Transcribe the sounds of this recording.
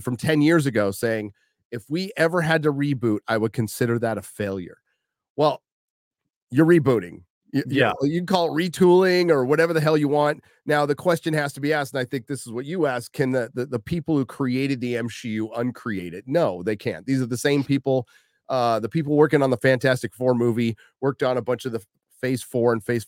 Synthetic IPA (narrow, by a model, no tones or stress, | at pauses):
fɹʌ̃mtʰɛ̃njɪɹzɨɡoʊseɪɪ̃ŋ | ɨfwiʔɛvə˞ɨd̚tɨɹibuɾaɪwəd̚kʰɨ̃nsɪɾə˞ðəɾɨfeɪlˠjə̰˞ | wɛlˠ | jə˞ɹibuɾɪ̰̃ŋ | jɨjjɨkʰɔlˠtɹitʰulˠɪ̃ŋə˞wʌɾɛvə˞ðɨɦɛlˠjɨwɑ̃n | naʊðɨkʰw̥ɛst͡ʃɨ̃nhæstəbiæstn̩aɪθɪ̃ŋk̚ðɪsəzwʌt͡ʃɨæskʰɨ̃nðɨðɨðəpʰipl̩ˠhʉkʰɹ̥ieɪɾɨd̪̚ðiɛ̃mʃjʉʔʌ̃nkʰɹ̥ieɪɾɨd̚ⁿnoʊðeɪkʰæ̰̃nðizə˞ðɨsẽɪ̃mpipl̩ˠ | ʌðəpipl̩ˠwɜ˞kɪ̃ŋə̃nðəfæ̃ntʰæstɨkfɔɹmuvi | wɜ˞k̚tn̩əbʌ̃nt͡ʃʌvðə | feɪsfɔɹɨ̃nfeɪs